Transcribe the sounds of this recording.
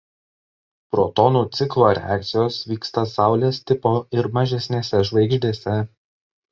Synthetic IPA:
pɾoːt̪ɔnuːt̪sʲɪklˠoːɾʲɛ̰æ̰ːk̚t̪sʲɪjoːsʋʲiːkst̪ɐsɑˑʊlʲeːst̪ʲɪpoːɪɾmɐʒʲɛsʲnʲeːsʲɛʒʋɐɪɡʒʲd̪ʲeːsʲɛ

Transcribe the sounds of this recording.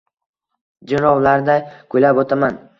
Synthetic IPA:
d͡ʒɪɾɒwlaɾd̪ajkʰojlapot̪ʰaman

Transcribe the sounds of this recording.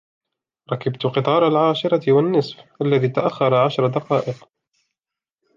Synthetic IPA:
ɾˤɑkabt̪ʊqɨt̪ˤɑːɾˤalʕaːʃɪɾˤɑɪwanːɪsˤfʔalːaðiːt̪aʔaxːɑɾˤɑʕaʃɾˤɑd̪ɑqɑːʔɪq

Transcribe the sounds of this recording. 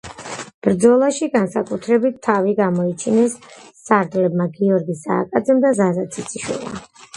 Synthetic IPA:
b̥ɾd̪zɔlˠaʃiɡansakʼut̪ʰɾɛbit̪ʰːaviɡamɔit͡ʃʰinɛsːaɾd̪lɛbmaɡiɔɾɡisa̰ːkʼad̪zɛmd̪azazat̪sʰit̪sʰiʃwḭlˠma̰

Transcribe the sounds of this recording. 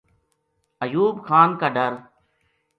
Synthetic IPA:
əjuːbkʰaːnkaːɖəɾ

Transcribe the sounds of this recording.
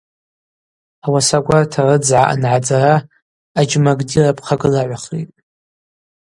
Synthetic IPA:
awasaɡʷartʰarɨd͡zʕaʔa̰nʕad͡zaɾaː | d͡ʒmaɡdirapʰʼχaɡɨlaʕʷaχlejtʼ

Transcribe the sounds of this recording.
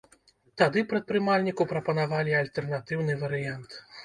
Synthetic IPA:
t̪ad̪ɨpɾɐt̪̚pɾɨmalʲnʲikupɾɐpɐnavalʲialʲt̪ɛrnat̪ɨwnɨvɐɾɨjant̪

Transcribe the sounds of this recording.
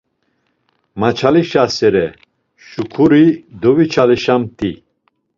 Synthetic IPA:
mat͡ʃʰaliʃasɛɾɛ | ʃukʰuɾid̪ɔvit͡ʃʰaliʃamt̪ʰʼi

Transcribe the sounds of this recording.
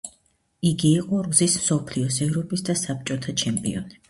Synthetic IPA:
iɡiːqʼɔɾuzismsɔpʰliɔsɛvɾɔpʼisd̪asap̚t͡ʃʼɔt̪ʰat͡ʃʰɛmpʼḭɔ̰ni

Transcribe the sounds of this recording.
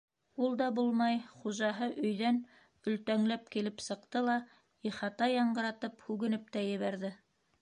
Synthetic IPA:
ulˠd̪ɑbulˠmɑjχuʒɑɦɤʔɵ̆jðæn | ɵ̆lt̪æŋlæpkilɘpsɤ̆qt̪ɤlˠɑ | iχɑt̪ɑjɑɴɢɤ̆ɾɑt̪ɤphʉɡɘ̆nɘp̚t̪æjɘ̆βæɾðɘ

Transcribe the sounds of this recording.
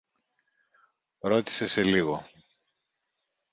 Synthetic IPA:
ɾo̞t̪i̥se̞se̞liɣo̞

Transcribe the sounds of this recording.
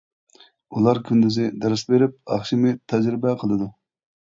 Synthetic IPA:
ulˠɑɾkʲʰynd̪yzɪd̪ɛɾɪsbeɾɪp̚ɑχʃimɨt̪ʰæd͡ʒɾɪbɛqʰəlˠɨd̪u

